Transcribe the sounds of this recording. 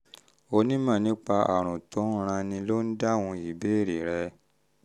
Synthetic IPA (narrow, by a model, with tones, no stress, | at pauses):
o˧nĩ˦mã˦˨nĩ˦k͡pa˧a˨ɾ̃ũ˨tɔ̃˨˦ɾ̃ã˧nĩ˧lo˦n̩˦da˦wũ˧i˨be˦˨ɾe˨ɾɛ˧